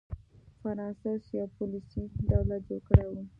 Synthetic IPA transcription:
faɾɑnsasijɑpʊlisiɖawlat̪̚d͡ʒoɽkəɽajwu

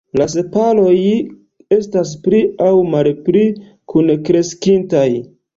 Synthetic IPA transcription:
las̬e̞palo̞j | e̞stas̬pɾiawmalpɾi | kʰunkɾe̞skintaj

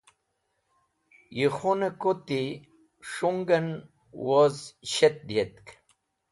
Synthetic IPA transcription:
jixonekot̪i | ʂuŋɡɐn | wozɕet̪̚d̪ijet̪k

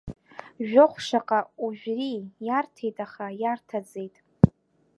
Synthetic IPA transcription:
ʒᶣʊχʷʂaqʼauʒᶣrijartʰejtʼaχajartʰad͡zejtʼ

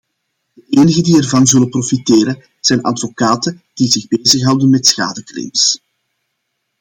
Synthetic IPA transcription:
d̥əʔeːnəɣədiɛrvɑnzɵləprofiteːɾə | z̥ɛjnʔɑ̰dvokaːtə | d̥izɪɣbeːzəxɦɑwdənmɛtsxa̰ːdəkrɪ̰ms

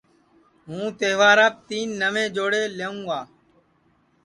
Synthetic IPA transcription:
ɦũːt̪eːʋaːɾaːp̚t̪iːnːəʋẽːd͡ʒoːɽeːleːũːɡaː

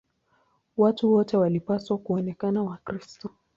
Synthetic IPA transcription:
watuwɔtɛwalipaswakuɔnɛkanawakɾistɔ

